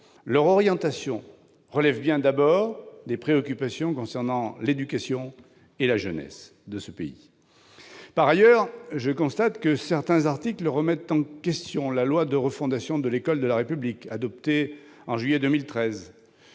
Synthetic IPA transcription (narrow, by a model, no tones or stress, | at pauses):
lœʁɔʁjɑ̃t̪asjɔ̃ | ʁəlɛvbjɛ̃d̪abɔʁd̪epχeɔkʲypasjɔ̃kɔ̃sɛʁnɑ̃led̪ykasjɔ̃ | elaʒənɛ̰s | d̪əsəpḛḭ | paʁajœʁʒəkɔ̃st̪at̪kəsɛʁt̪ɛ̃zaʁt̪ikləʁəmɛt̪ɑ̃kʲɛst̪jɔ̃lalwad̪əʁəfɔ̃d̪asjɔ̃d̪əlekɔld̪əlaʁepyblikad̪ɔp̚t̪e | ɑ̃ʒɥijɛd̪əmilt̪χɛz